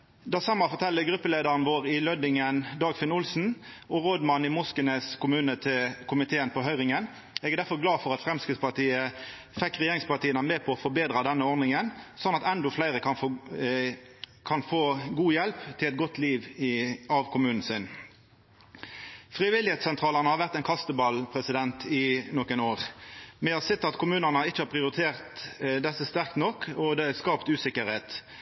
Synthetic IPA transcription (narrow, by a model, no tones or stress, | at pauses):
d̪ɑːsɑmɑfɔʁt̪ʰɛlːəɡɾʉpːəleːd̪əʁənʋoːʁɪlœd̪ɪŋənd̪ɑːɡfɪnʊlsn̩ | ɔʁoːd̪mɑnːɪmʊskənəskʰʊmʉːnət̪ʰɪlkʰʊmɪt̪ʰeːənpʰɔɦœʏʁɪŋən | ɛːɡɛʁd̪æfɔʁɡlɑːfɔʁɑt̪fʁɛmskɪd̪spɑt̪ʰiːə | fɛkːʁɛjeːʁɪŋspɑʁt̪ʰiːənəmeːpʰɔɔfɔbeːd̪ʁɑd̪ɛnːəɔʁnɪŋənsɔnːɑt̪ɛnd̪ɔflæɪʁəkʰɑn | kʰɑnfoːɡuːjɛlpt̪ʰɪlɛt̪ɡɔt̪ːliːʋɑʋkʰʊmʉːnn̩sɪn | fʁɪʋɪlɪheːt̪sɛnt̪ʰʁɑːləʁnəhɑʁʋæʁt̪ɛnkʰɑst̪əbɑlpʰʁɛsɪd̪ɛnt̪ɪnɔkːənoːʁmɛɑsɪt̪ːɑt̪kʰʊmʉːnənəɪt͡ʃːəhɑɾpʰʁɪʊɾɪt̪ʰeːʁt̪d̪ɛsːəst̪æʁk̚t̪nɔkːɔd̪ɛæskɑːpt̪ʉːsɪkəɾheːt̪